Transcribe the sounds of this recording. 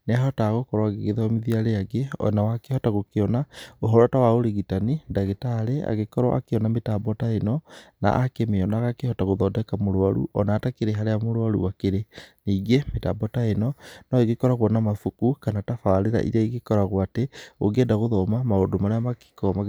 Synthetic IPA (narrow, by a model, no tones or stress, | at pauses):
neaɦɔtaːɣokɔɾɔaɣeɣeðɔmiðiaɾeaɡeɔ̰nawakehɔtaɣokeɔnaoɦɔɾwatawaoɾeɣitanidaɣetaɾea̰ɣekɔɾɔʔa̰keɔnametabɔtaenɔna̰ʔakemeɔnaɣakehɔtaɣoðɔdɛkamoɾwaɾṵʔɔnaːtakeɾeɦaɾejamoɾwaɾṵwakeɾeniːɡemetabɔtaenɔnɔeɡekɔɾaɣwɔnamafukukanatafaɾeɾa̰ʔḭɾɛiɣekɔɾaɣwateo̰ɡedaɣoðɔmamaodomaɾeamaki̥kɔma